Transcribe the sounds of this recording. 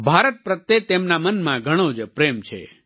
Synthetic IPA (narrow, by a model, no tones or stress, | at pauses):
bʱaɾət̪̚pɾət̪ːet̪emnamənmãɡʱəɽ̃õd͡ʒpɾemt͡ʃʰḛ